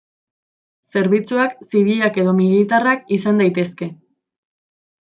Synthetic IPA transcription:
se̞ɾβit͡suaksiβ̞iʎake̞ðo̞milit̪arakisand̪ajt̪e̞ske̞

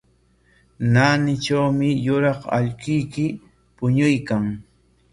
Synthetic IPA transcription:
naːnɪʈ͡ʂawmɪjʊɾɑχa̰ʎkʊjkɪ | pʊɲʊjkaŋ

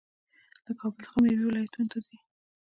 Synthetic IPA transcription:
ləkʰɑbəlt͡sə̥xamawiwɪlɑjat̪unot̪azi

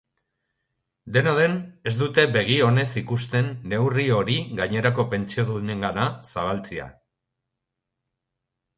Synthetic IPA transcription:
d̪e̞naðe̞ne̞zd̪ut̪e̞be̞ɣ̞io̞ne̞sikust̪e̞nːe̞wrio̞ɾiɣaɲe̞ɾako̞pe̞nt͡sioðune̞ŋɡanasaβ̞alt͡sia̰

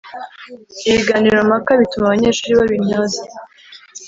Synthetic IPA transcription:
iβiɡaːniɾomakaβitumaβaɲeːɾʃuːɾiβaβimɲoːza

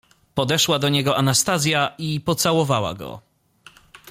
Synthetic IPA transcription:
pɔd̪ɛʂwad̪ɔɲɛɡɔʔanast̪azʲjaipɔt̪sawɔvawa̰ɡɔ̰

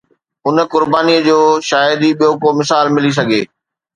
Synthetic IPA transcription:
ʊnə̆kʊɾbaːniəd͡ʑoːʃaːjɪd̪iɓijokomɪsaːlmɪlis̬ɐɡʱeː

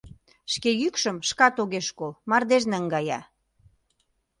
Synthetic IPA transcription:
ʃkejykʃə̆mʃkɑt̪oɣeʃkolmɑrd̪eʒneəŋɡɑjɑ̰

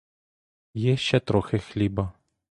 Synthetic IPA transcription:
jɛʃt͡ʃɛt̪ɾɔxɪxlʲibɐ

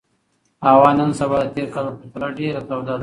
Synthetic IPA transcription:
awɑnənsabɑd̪ət̪eɾkalapət̪alaɖeɾat̪awd̪ad̪

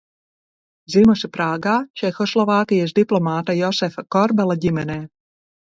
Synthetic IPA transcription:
zimɔsipɾaːɡaːt͡ʃɛxɔslˠɔvaːkʲijasd̪iplˠɔmaːt̪ajɔsɛfakɔɾbɛlˠaɟʲimɛnɛː

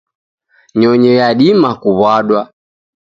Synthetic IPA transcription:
ɲɔɲɛjaɗimakuβwaɗwa

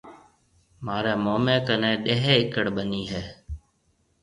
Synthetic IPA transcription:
maːɾeːmoːmẽːkənɛ̃ːɗeɦeːɪkəɽɓəniːɦɛː

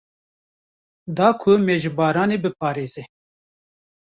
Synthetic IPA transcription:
d̪ɑːkʰʊmɛʒbɑːɾɑːneːbɨpʰɑːɾeːze

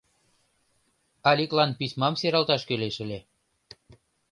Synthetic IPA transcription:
ɑlʲiklɑnpismɑmseɾɑlt̪ɑʃkøleʃə̆le

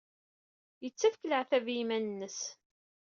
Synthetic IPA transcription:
jət͡sːæfkələʕθævjimænənːəs

